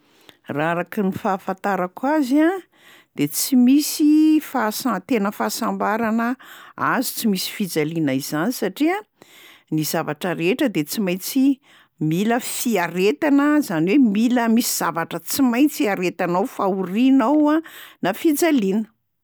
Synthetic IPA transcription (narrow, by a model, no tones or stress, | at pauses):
raɾaknifaːfãnt̪aɾakwazia | d̪̥et͡simisifasat̪enəfaːsambaɾanəazi̥t͡simisi̥fid͡zalinaiz̥anisaʈ͡ʂia | nizavaʈ͡ʂəɾeʈ͡ʂəd̪et͡simajt͡si | miləfiaɾet̪anəzaniwemiləmisiz̥avaʈ͡ʂət͡simajt͡siaɾet̪anawfauɾinawanafid͡zalinə̥